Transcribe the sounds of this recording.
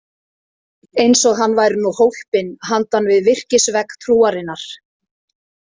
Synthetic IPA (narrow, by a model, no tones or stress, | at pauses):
ejnsɔɣɦanːvajɾnuhowhpɪnɦant̪anvɪðvɪr̥cɪsvɛkt̪ʰɾuːaɾɪnːaɾ̥